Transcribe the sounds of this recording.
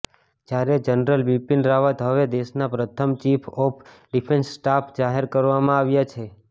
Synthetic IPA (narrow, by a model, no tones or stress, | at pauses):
d͡ʒjaɾed͡ʒənəɾəlʋipinɾaʋət̪ɦəʋed̪eʃnapɾət̪ʰəmt͡ʃipʰɔpʰ | ɖipʰensːʈapʰd͡ʒaɦeɾkəɾʋamãaʋjat͡ʃʰe